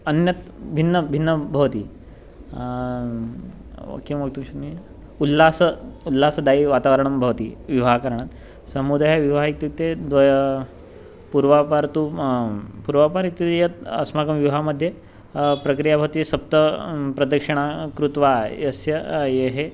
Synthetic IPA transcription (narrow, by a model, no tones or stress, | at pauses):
ɐnjɐt̪bʱinːəbʱinːəbʱɐʋt̪iː | ɐ̰kimʋɐk̚t̪uʃɐmi | ulːasəulːaːsɐd̪aiʋaːt̪aʋəɾɐɳɐmbʱɐʋt̪ḭːʋiʋaɦkɐɾɳat̪ | sɐmud̪ajaʋiʋaik̚t̪jukt̪ed̪ʋɐj | puɾʋapaɾt̪u | puɾʋapaɾik̚t̪ːjut̪jɐt̪ɐ̰smakɐmʋjuʋɦaməd̪ʱje | pɾɐkɾijabʱɐʋt̪isɐp̚t̪ɐpɾɐd̪ɐkʂɐɽ̃ɳ̃akɾut̪ʋajɐsjɐjeɦe